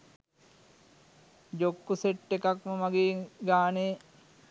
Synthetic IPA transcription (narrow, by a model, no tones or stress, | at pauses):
d͡ʒokːuseʈːekakməmaɡeːɡaːneː